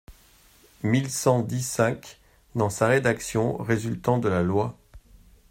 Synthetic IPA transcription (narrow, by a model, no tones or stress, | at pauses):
milsɑ̃d̪isɛ̃k | d̪ɑ̃saʁed̪aksjɔ̃ʁezylt̪ɑ̃d̪əlalwa